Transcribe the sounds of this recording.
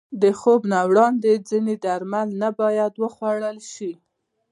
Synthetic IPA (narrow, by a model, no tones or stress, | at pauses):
d̪əxobnawɽɑnd̪ed͡zined̪aɾmalnabɑjad̪wəxwaɽəlʃi